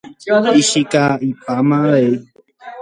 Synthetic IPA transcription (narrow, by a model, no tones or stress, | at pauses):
iʃikaipamãe